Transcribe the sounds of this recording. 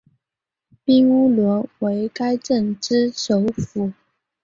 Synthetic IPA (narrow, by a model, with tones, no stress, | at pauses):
pi˥ŋu˥lwə˧˥nwe˧˥ɪka˥ɪʈ͡ʂə˥˩nʈ͡ʂɻ̩˥ʂo˧˥ʊfu˨˥